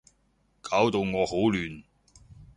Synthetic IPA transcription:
kʰaː˨˥wt̪o˨˧wŋɔː˨˧ho˨˥wlyː˨n

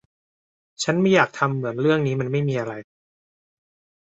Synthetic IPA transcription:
t͡ɕʰa˦˥nma˥˩jːaː˨˩k̚t̪ʰa˧mːɯ˩˦ənɾɯ˥˩əŋniː˦˥ma˧nma˥˩jmiː˧ʔa˧ɾa˧j

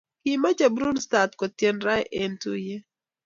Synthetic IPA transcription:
ki˨ma˦d͡ʒa˨bɾu˦nsta˨tkɔ˨tjɛ˦nɾa˦jʔe˨ntu˦je˦

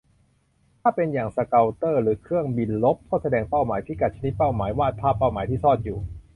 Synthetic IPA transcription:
t̪ʰaː˥˩pe˧njaː˨˩ŋsa˧ka˧wt̪ɤː˥˩ɾɯː˩˦kʰɯ˥˩əŋbi˧nlo˦˥p̚kʰːɔː˥˩sa˧dɛː˧ŋpa˥˩wmaː˩˦jpʰi˦˩ka˨˩t̪̚t͡ɕʰa˧ni˦t̪̚pa˥˩wmaː˩˦jwaː˥˩t̪̚pʰaː˥˩pːa˥˩wmaː˩˦jt̪ʰiː˥˩sɔː˥˩t̪̚juː˨˩

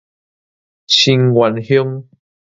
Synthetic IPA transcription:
ɕi˧ŋɡwa˨nhjo˦ŋ

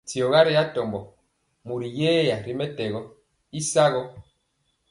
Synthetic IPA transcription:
ti˨ɔ˨ɣa˦ɾi˦a˦tɔ˨mbɔ˨ | mu˨ɾi˨jeː˦ja˨ɾi˦mɛ˦tɛ˨ɣɔ˦ | i˦sa˦ɣɔ˦

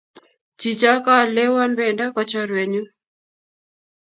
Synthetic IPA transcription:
t͡ʃi˨t͡ʃa˦ka˦˨le˦wɔ˦nbɛ˨nda˦kɔ˨t͡ʃɔ˦ɾwe˨ɲu˦

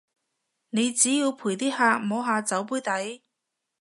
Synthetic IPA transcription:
ne˨˧jt͡siː˨˥jiː˧wpʰuː˨˩jt̪iː˥haː˧mo˨˧wɦaː˧t͡sɐ˨˥wp̬uː˥jt̪ɐ˨˥j

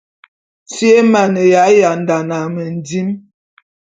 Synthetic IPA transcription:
t͡sje˦ma˨nə˨ja˨˦ja˨n˨da˨na˨mə˨n˨di˦m

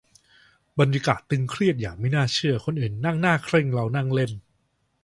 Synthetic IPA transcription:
ba˧nja˧kaː˨˩t̪ːɯ˧ŋkʰɾi˥˩ət̪̚jaː˨˩k̚ma˥˩jnaː˥˩t͡ɕʰɯ˥˩ɐkʰo˧nʔɯː˨˩nːa˥˩ŋnaː˥˩kʰɾe˥˩ŋɾa˧wna˥˩ŋle˥˩n

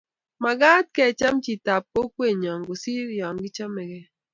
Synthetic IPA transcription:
ma˨ɡa˦t̚kɛ˦˨t͡ʃa˦mt͡ʃi˨ta˨p̚ko˦kwe˦˨ɲɔ˨ŋɡo˨si˦ɾjɔ˨ŋɡɪ˦t͡ʃa˦mɛ˨ɡɛ˦

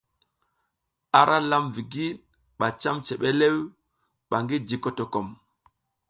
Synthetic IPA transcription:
a˦ɾʔa˦la˦mvi˨ɡi˦ | ɓa˨t͡ʃa˦mt͡ʃe˨ɓe˦le˦w | ɓa˨ŋɡi˦d͡ʒi˨ko˨to˨ko˨m

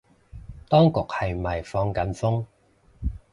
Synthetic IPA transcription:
t̪ɔː˥ŋkʊ˨k̚hɐ˨jmɐ˨˩jfɔː˧ŋkɐ˨˥nfʊ˥ŋ

